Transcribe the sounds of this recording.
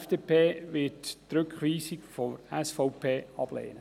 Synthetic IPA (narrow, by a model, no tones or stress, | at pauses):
fd̥eːpʰeːʋɪttɾʏkχʋiːsɪkfɔɛsfɔʊpʰeːɑb̥lḛːnə